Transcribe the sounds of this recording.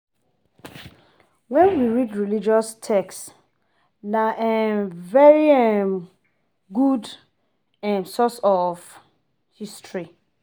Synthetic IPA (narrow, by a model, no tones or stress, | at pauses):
wɛ̃nwiɹidɹilid͡ʒɔstʰɛkst | naʔɛnvɛɹiɛm | ɡud | ɛ̃nsɔsɔf | histɹi